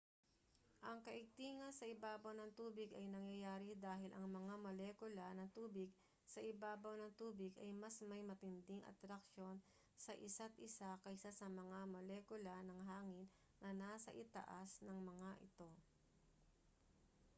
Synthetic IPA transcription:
ʔɐŋkɐʔɪɡ̚t̪iːŋɐnsɐʔɪbaːbɐwnɐŋt̪uːbɪɡɐjnɐŋjɐjaːɾɪd̪aːɦɪlʔɐŋmɐŋamɐlɛːkʊlɐnɐŋt̪uːbɪɡ̚ | sɐʔɪbaːbɐwnɐŋt̪uːbɪɡɐjmɐsmɐjmɐt̪ɪnd̪ɪŋʔɐ̰t̪ɾɐk̚ʃo̞n | sɐʔɪsat̪̚ʔɪsakɐjsasɐmɐŋamɐlɛːkʊlɐnɐŋɦaːŋɪnː | ɐnaːsɐ̰ʔɪt̪ɐ̰ʔasnɐŋmɐŋaʔɪt̪o̞

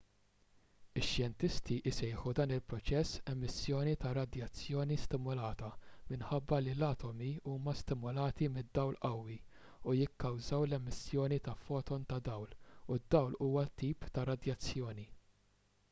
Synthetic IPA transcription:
ɪʃjɛnt̪ɪst̪iʔɪsɛjħud̪ɐːnɪlpɾɔt͡ʃɛsːɛmːɪsjɔːnit̪ɐɾɐd̪jɐt͡sːjɔːnist̪ɪmʊlɐːt̪ɐmɪnħɐbːɐlilɐːt̪ɔmiuːmɐst̪ɪmʊlɐːt̪imɪd̪ːɐwlʔɐwːi | ujɪkːɐwzɐwlɛmːɪsjɔːnit̪ɐfɔːt̪ɔnt̪ɐd̪ɐwlud̪ːɐwluːwɐt̪iːpt̪ɐɾɐd̪jɐt͡sːjɔːni

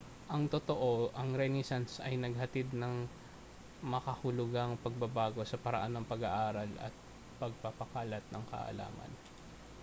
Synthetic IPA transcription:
ʔɐŋt̪ot̪oʔo̞ʔɐŋɾɛnɛsansɐjnɐɡ̚hɐt̪id̪nɐŋ | mɐkɐhʊlʊɡɐŋpɐɡ̚bɐbaːɡo̞sɐpɐɾɐ̰ʔanːɐŋpɐɡaʔaːɾɐlɐ̰t̪̚ | pɐɡ̚papɐkaːlɐt̪̚nɐŋkɐ̰ʔɐ̰la̰ːmɐ̰n

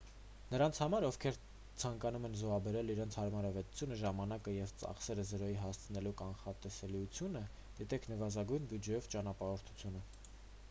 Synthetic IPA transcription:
nəɾɑnt͡sʰhɑmɑɾɔvkʰɛɾ | t͡sʰɑŋkɑnumɛnzɔɑbɛɾɛliɾɛnt͡sʰhɑɾmɑɾɑvɛt̪u̥t͡sʰjunəʒɑmɑnɑkəjɛvt͡sɑ̰χsɛɾəzəɾɔjiɦɑst͡sʰənɛlukɑnχɑt̪ɛsɛliut͡sʰjunə | d̪̥it̪ɛkʰnəvɑzɑɡujnbjud͡ʒɛjɔvt͡ʃɑnɑpɑɾɔɾt̪ʰu̥t͡sʰjunə

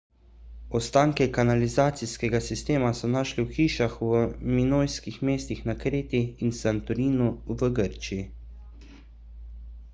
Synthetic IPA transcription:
ɔst̪aːŋkɛkanalizaːt̪siskɛɡasist̪eːmasɔnaːʃliwxiːʃaxwəminoːjskixmeːst̪ixnakɾeːt̪iːnsant̪ɔɾiːnuvəɡəɾt͡ʃii

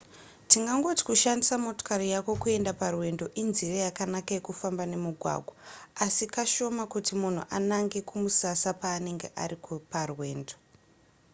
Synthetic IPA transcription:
tiŋɡaŋɡo̞ti̥kuʃandisamo̞to̥karijako̞kue̞ndaparwe̞ndo̞ʔinzirajakanakaekufambane̞muɡʱwa̰ːɡʱwaasikaʃo̞makutimun̤ṵʔanaŋɡe̞kumusasapaːne̞ŋɡe̞ʔa̰rikoparwe̞ːndo

